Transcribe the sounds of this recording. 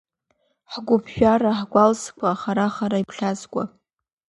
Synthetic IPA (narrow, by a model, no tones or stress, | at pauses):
ħɡʷʊpʰʒᶣaraħɡʷalskʷʰaːχaɾaχaɾaipʰɬʲazɡʷʼa̰